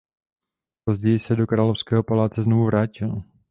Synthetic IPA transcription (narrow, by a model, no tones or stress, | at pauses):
po̞zɟɛjɪsɛdo̞kɾaːlofskɛːɦo̞palaːt͡sɛznovuvɾaːcɪl